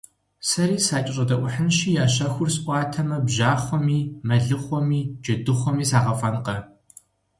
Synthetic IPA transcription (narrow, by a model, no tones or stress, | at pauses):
sɐɾiːsaːt͡ʃʼɪɕʼɐdɐʔʷʊħənʃiːjaːɕ̬ɐxʷʊrsʔʷɑːtʰɐmɐbʑaːχʷɔmiːmɐɮɨχʷɔmiːd͡ʒɐdɨχʷɔmiːsaːʁɐfɐnqɐ